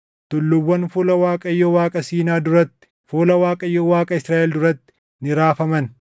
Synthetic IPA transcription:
t̪ʊlːʊbːɐnfʊlɐwaːkʼɐjːɔwaːkʼɐsiːnaːd̪ʊɾɐt̪ːɪ̥ | fuːlɐwaːkʼɐjːɔwaːkʼɐɪsɾaːʔɛld̪ʊɾɐt̪ːɪ̥ | nɪɾaːfɐmɐn

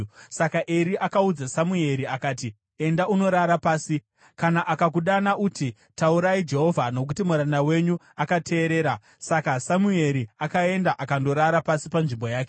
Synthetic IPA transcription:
sakaʔeɾiʔakaud͡zasamue̞ɾiakaːti | e̞ndauno̞ɾaɾapaːsi | kanaʔakakuɗanaʔuti | tauɾaid͡ʒe̞ɦo̞vʱano̞kutimuɾandawe̞ɲu | akatʰe̞ːɾe̞ːɾa | sakasamue̞ɾiakae̞ndaʔakando̞ɾaɾapasipanʐimbo̞jaːke

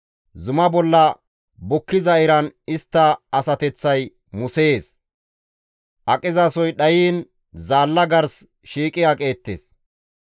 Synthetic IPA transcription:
zʊmɐbɔlːɐ | bʊkːɪzɐɪɾɐnɪst̪ːɐːsɐt̪ɛt͡sːɐj | mʊseːs | ʔɐkʼɪzɐsɔjɗɐjiːn | zaːlːɐɡɐɾs | ʃiːkʼɪjakʼe̞ːt̪ːḛːs

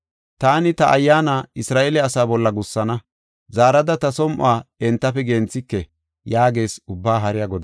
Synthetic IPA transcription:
t̪aːnɪt̪ɐʔɐjːaːnaːɪsɾaːʔɛlɛɐsaːbɔlːɐɡʊsːɐnɐ | zaːɾɐd̪ɐt̪ɐsɔmʔʊ̰aːɛnt̪ːɐfɛɡeːnt͡sːɪkːɛ | jaːɡe̞ːsʊbːaːɦɐɾɪjaɡɔd̪

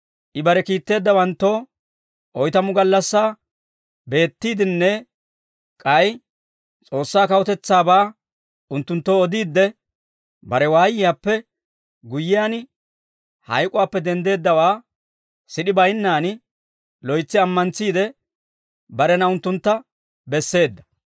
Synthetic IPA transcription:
ʔɪbɐɾɛkiːt̪ːe̞ːd̪ːɐwɐnt̪ːo̞ː | ʔɔjt̪ɐmʊɡɐlːɐsːaː | be̞ːt̪ːiːd̪ɪnːɛ | kʼɐj | t͡sʼo̞ːsːaːkɐwɔt̪ɛt͡sːaːbaː | ʔʊnt̪ːʊnt̪ːoːɔd̪iːd̪ːɛ | bɐɾɛwaːjɪjaːpːɛ | ɡʊjːɪjaːn | hɐjkʼʊwaːpːɛd̪ɛnd̪e̞ːd̪ːɐwaː | sɪɗɪbɐjnːaːn | lɔjt͡sːɪɐmːɐnt͡sːiːd̪ɛ | bɐɾɛnɐʊnt̪ːʊnt̪ːɐ | bɛsːe̞ːd̪ːɐ̥

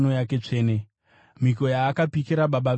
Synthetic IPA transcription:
no̞jake̞t͡ʂe̞ːne̞ | m̤iko̞jaːkapikiɾaɓaɓa

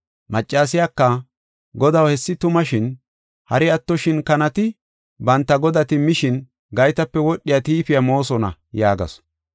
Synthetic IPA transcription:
mɐt͡ʃʼːaːsɪjakːɐ | ɡɔd̪ɐwhɛsːɪt̪ʊmɐʃɪn | hɐɾɪɐt̪ːɔʃɪnkɐnɐt̪ɪ | bɐnt̪ːɐɡɔd̪ɐt̪ɪmːɪʃɪn | ɡɐjt̪ɐpːɛwɔɗːɪjat̪iːfɪjamo̞ːsɔnɐ̰jaːɡɐ̰s

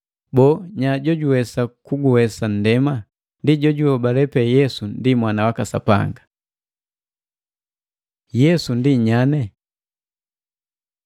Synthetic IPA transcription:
bɔːɲaɟɔɟuwɛsakuɡuwɛsan̩dɛma | ndiɟɔɟuɔbalɛpɛjɛsundimwanawakasa̰pa̰ŋɡa | jɛsundiɲanɛ

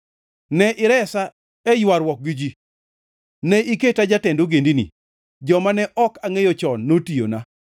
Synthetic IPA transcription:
nɛʔɪɾɛsa | ɛjwaɾwɔk̚ɡid͡ʒi | nɛʔiketad͡ʒatɛndoɡendinḭ | d͡ʒɔmanɛʔɔkaŋejot͡ʃɔnːotijo̰na

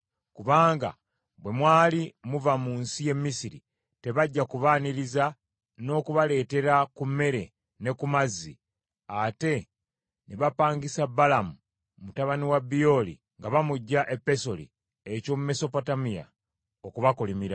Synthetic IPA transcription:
kuβaːŋɡa̰ | bwe̞mwaːlimuvamuːnsije̞mːisiɾḭ | te̞βaɟːakuβaːniɾiza | no̞kuβale̞ːte̞ɾakume̞ɾe̞ | ne̞kumazːi | ate̞ | neβapaːŋɡisabalamu | mutaβaniwabijo̞lḭ | ŋɡaβamuɟːaʔe̞pːe̞so̞lḭ | eco̞mume̞so̞potamija̰ | okuβakolimiɾa

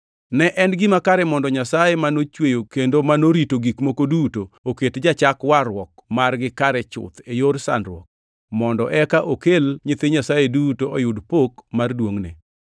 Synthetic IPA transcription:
nɛʔɛnɡɪmakaɾɛmɔndɔɲasajemanot͡ʃwejokendomanoɾitoɡikmokodutooketd͡ʒat͡ʃakwaɾwɔk̚marɡɪkaɾɛt͡ʃʊ̰t̪ejorsa̰ndɾwɔk̚ | mɔndɔʔɛkaʔokelɲɪt̪eɲasajedutoɔjʊdpokmardwoŋnḛ

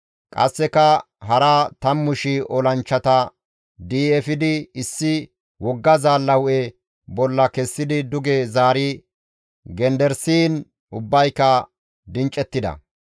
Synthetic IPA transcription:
kʼɐ̰sːɛkɐ | ɦɐɾat̪ɐmːʊʃɪʔɔlɐnt͡ʃːɐt̪ɐ | d̪iːɛfɪd̪ɪɪsːɪ | wɔɡːɐzaːlːɐwʔɛ | bɔlːɐkɛsːɪd̪ɪd̪ʊɡeːzaːɾɪ | ɡɛnd̪ɛɾsiːn | ʊbːɐjkːɐ | d̪ɪnt͡ʃʼːɛt̪ːɪd̪ɐ̰

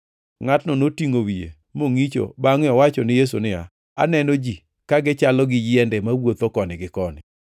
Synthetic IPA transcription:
ŋatnɔnotiŋowiḛ | moŋit͡ʃo̰baŋɪɔwat͡ʃɔnɪjes̬ṵnɪa̰ | a̰nɛnod͡ʒi | kaɡɪt͡ʃalɔɡɪjɪɛndɛmawot̪okɔnɪɡɪkɔnɪ̰

